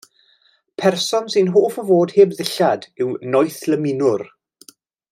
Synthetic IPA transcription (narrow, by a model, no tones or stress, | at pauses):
pʰɛrsɔnsɪnɦoːfəvoːdheːbðɪɬadɪwnɔjθləmɪnʊr